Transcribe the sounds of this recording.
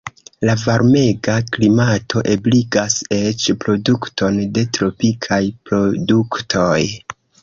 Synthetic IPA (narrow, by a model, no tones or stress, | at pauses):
lavaɾme̞ɡaklimatʰo̞ʔebliɡase̞t͡ʃpɾo̞duktʰo̞nde̞tɾo̞pikʰajpɾo̞duktʰo̞j